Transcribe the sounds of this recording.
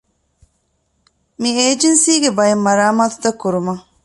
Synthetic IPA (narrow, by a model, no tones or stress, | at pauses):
mieːd͡ʒensiːɡebɐjemːɐɾaːmaːt̪u̥t̪ɐkːuɾumɐ